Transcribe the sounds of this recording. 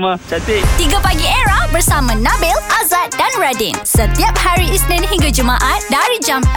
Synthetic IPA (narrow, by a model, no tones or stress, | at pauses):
mat͡ʃat̪et̪iɡapaɡieɾahbərsamãnãbɪlʔazat̪̚danɹadinsət̪iap̚haɾiisnɛ̃nɦĩŋɡad͡ʒumãʔãt̪̚daɾid͡ʒam